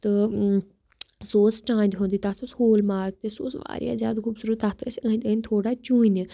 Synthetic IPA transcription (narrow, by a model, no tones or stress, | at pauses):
t̪ə | soːsʈãːnʲd̪ɦõːnd̪iːt̪at̪ʰoshoːlmaːk̚t̪eso̰ːsʋa̰ːɾja̰ːzja̰ːd̪kʰuːbsuɾət̪at̪ʰsə̃nd̪əːnʲt̪ʰoːɽaːt͡ʃũːn